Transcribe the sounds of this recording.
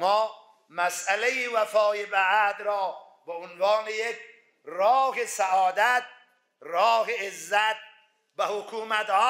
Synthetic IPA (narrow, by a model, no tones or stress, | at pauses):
mɒː | mæsʔælejiːvæfɒːebæʔd̪ɾɒː | beonvɑːnejek | ɾɒːhesæʔɒːd̪æt̪̚ | ɾɒːɦeezːæt̪̚ | væhokʰuːmæt̪hɒː